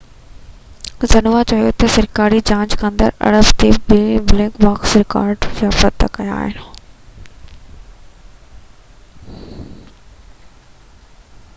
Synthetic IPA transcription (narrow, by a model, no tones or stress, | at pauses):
zɐnʋat͡ɕɐjot̪ɐsɐɾkaːɾid͡ʑãːɲd͡ʑkʰãnd̪ə̰ɾɐ̰ɽəbt̪ebebɪlẽːkʋaːksɾɪka̰ːɾɖd͡ʑaːfət̪ːɐ̰kɐja̰ːɦɪn